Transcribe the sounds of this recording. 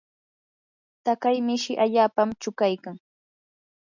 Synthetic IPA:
t̪akajmɪʃɪʔaʎaːpamt͡ʃʊkajkaŋ

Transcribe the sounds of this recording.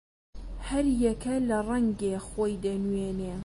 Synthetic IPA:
hɐɾjɛkʰɐlɐrˤɐŋɡexoːjd̪ɐnweːneː

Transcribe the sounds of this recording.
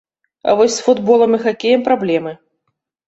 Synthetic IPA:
ɐ̰vɔsʲsfud̪bɔlˠɐmɨxakʲejɛmpɾablʲɛmɨ

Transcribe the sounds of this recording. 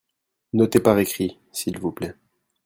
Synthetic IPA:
not̪epaʁekχi | silvuplɛ

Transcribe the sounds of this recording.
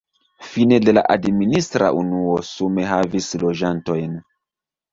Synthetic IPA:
fine̞de̞la̰ʔadministɾa̰ʔunuosume̞ɦavislo̞d͡ʒanto̞jn

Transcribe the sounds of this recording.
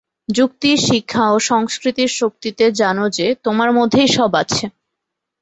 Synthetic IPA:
d͡ʑuk̚t̪iʃikʰːaoʃɔŋskɾit̪iɾʃok̚t̪it̪ed͡ʑanod͡ʑet̪omaɾmod̪ʱːejʃɔbat͡ɕʰe

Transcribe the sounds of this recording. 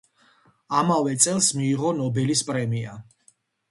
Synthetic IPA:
amavɛt̪sʼɛlˠsmiːʁɔnɔbɛlispʼɾɛmia̰

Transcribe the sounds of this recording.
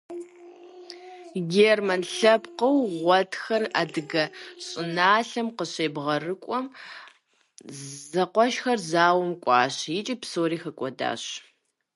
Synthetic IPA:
ɡʲeːrmɐnɬɐpqəwʁʷɔtxɐra̰ːdɨɡɐɕʼɪnaːɬɐmqəɕeːbʁɐrɨkʷʼɔm | zɐqʷɔʃxɐrzaːwɐmkʷʼɑːɕjɪt͡ʃʼipsoːɾiːxɐkʷʼɔda̰ːɕ

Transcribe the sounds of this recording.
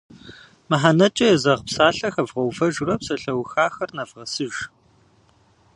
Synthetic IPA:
mɨħanɐt͡ʃʼɐjɛzɐʁpsaːɬɐxɐvʁɐwfɐʒʊrɐpsɐɬɐwxaːxɐrnɐvʁɐsɨʒ

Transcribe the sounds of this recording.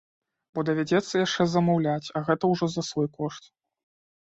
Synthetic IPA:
bɔd̪ɐvʲad͡zʲɛt̪sːɐjaʂt͡ʂɛzɐmawlʲat͡sʲɐɣɛt̪ɐwʐɔzɐsvɔjkɔʂt̪

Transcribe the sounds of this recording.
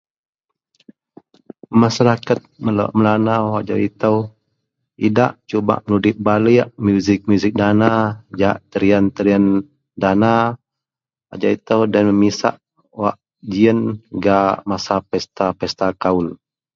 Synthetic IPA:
maʃaɾakat̪̚məlo̰ʔməlanawaʔd͡ʒa̰it̪əw | ida̰ʔt͡ʃuba̰ʔmənudɪʔ̚baliʔmjuzɪk̚mjuzɪk̚danad͡ʒaʔt̪əɾiant̪əɾian | dana | a̰d͡ʒait̪əwdanməmisa̰ʔ | waʔ | d͡ʒiənɡamasapɛst̪apɛst̪akaul

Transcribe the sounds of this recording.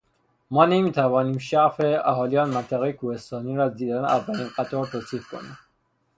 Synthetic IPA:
mɒːnemiːt̪ʰævɒːniːmʃæfeæɦɒːliːɒːnmænt̪ʰæɣejekʰuːhest̪ɒːniːɾɒːd̪iːd̪ænævːæliːnqæt̪ʰɒːɾt̪ʰoːt̪ʰiːfkʰo̰nḭːm

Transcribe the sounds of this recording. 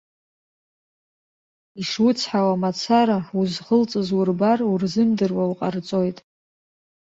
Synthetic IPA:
iʂwʊt͡sʰħawamat͡sʰaɾauzχəlt͡sʼɨzwurbarurzɨmdɨrwawqʼart͡sʼo̞jtʼ

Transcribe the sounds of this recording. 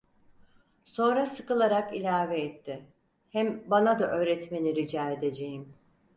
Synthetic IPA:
so̞nɾasɯkɯlˠaɾakilʲaːveːt̪ʰːɪ | hæmbanad̪aʔø̞ːɾɛt̪me̞niɾid͡ʒaːed̪e̞d͡ʒejim

